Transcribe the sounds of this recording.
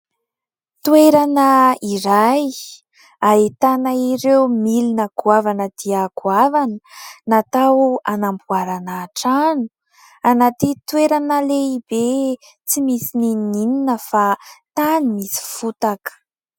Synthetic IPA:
t̪ueɾanəiɾaj | ait̪anaiɾewmilinakuavanəd̪̥iakuavanənat̪awanambuaɾanaːʈ͡ʂanu | anat̪it̪ueɾanəleibe | t͡simisininnininəfat̪animisi̥fut̪akə̥

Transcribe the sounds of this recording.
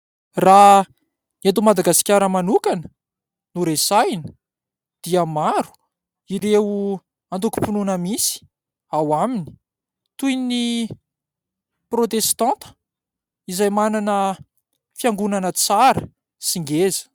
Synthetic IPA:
ra | at̪̬umad̪aɡasi̥kʲaɾəmanukanə̥ | nuɾesajnə̥ | d̪̥iəmaɾu̥ | iɾeu | ant̪uku̥pununəmisi̥ | awamini̥ | t̪ujni | prot̪est̪ãnt̪ə̥ | izajmananə | fiaŋɡunanət͡saɾə | siŋɡezə̥

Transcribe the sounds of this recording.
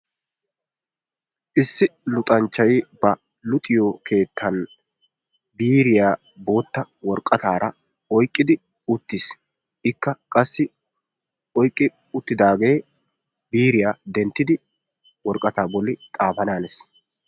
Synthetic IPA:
ʔɪsːɪlʊt̪ʼɐnt͡ʃːɐjbɐ | lʊt̪ʼɪjokʰe̞ːt̪ʰːɐn | biːɾɪjaː | bo̞ːt̪ːɐwɔɾkʼɐt̪aːɾɐ | ɔjkʼːɪd̪ɪ | ʊt̪ːɪs | ʔɪkːɐkʼɐsːɪ | ɔjkʼːɪ | ʊt̪ːɪd̪aːɡe̞ː | biːɾɪjaːd̪ɛnt̪ːɪd̪ɪ | wɔɾkʼːɐt̪aːbɔlːɪt̪ʼaːfɐnaːnɛs

